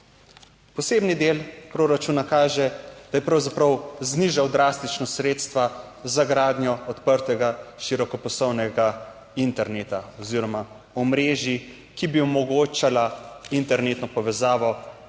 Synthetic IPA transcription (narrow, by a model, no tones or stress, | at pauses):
pɔseːbnid̪eːlpɾoːɾat͡ʃunakaːʒɛd̪ajɛpɾawzapɾɐwzniʒawd̪ɾast̪it͡ʃnɔsɾeːt̪st̪ʋa | zaɡɾaːd̪njɔɔt̪pəɾt̪ɛɡaʃiɾɔkɔpɔsɔwnɛɡa | int̪ɛɾneːt̪aɔziɾɔma | ɔmɾeːʒi | kibiɔmɔɡoːt͡ʃalaint̪ɛɾneːt̪nɔpɔʋɛzaːʋɔ